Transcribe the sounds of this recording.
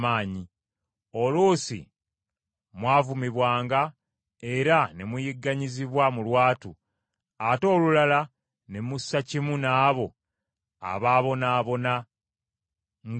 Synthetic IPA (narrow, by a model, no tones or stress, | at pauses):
maːɲi | o̞luːsḭ | mwaːvumiβwaːŋɡa | e̞ɾanemujiɡːaɲiziβwamulwaːtu | ato̞ːlulala | nemusːacimunaːβo̞ | a̰βaːβo̞naːβo̞na | ŋ